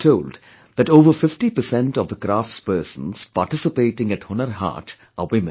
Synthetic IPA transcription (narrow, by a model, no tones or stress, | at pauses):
ʈʰoːlɖ | d̪æʈoːʋəɾfɪfʈipəsɛ̃nʈɔʋd̪əɡɾaːfʈspəːsə̃nz̥paːɾʈɪsɪpeːʈɪ̃ŋæʈhʊnəɾɦa̰ːʈ | awɪmə̃n